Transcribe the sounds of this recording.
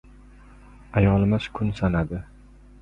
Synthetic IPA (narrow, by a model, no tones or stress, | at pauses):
ajɒlˠɪmɪz̥kʰʊnsanad̪ɪ